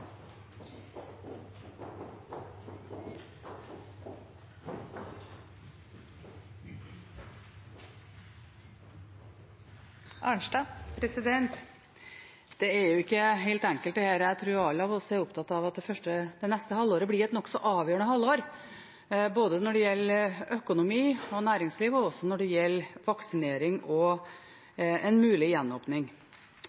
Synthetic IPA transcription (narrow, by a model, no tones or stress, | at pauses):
ʔɑɳʂʈɑːpʰɾɛsɪd̪ɛnt̪ | d̪̥ɛɛɾjʊɪkːəɦeɪlt̪ɛŋkəl̚d̪ɛhæːɾjæɪt̪ʰɾʉːɾɑlɑʋɔsːɔæɾʊp̚t̪ʰɑt̪ːɑʋɑt̪̚d̪ɛfœʂʈəd̪ɛnɛst̪əhɑlːoːɾəblɪɾɛt̪nɔkːsɔʔɑːʋjøːəɳəhɑlːoːɾ | boːd̪ənɔɖɛjɛlːœkʊnʊmiːɔnæːɾɪŋsliːʋɔɔsːɔnɔɖɛjɛlːʋɑksɪneːɾɪŋɔ | ɛnmʉːlɪjɛnːoːpnɪŋ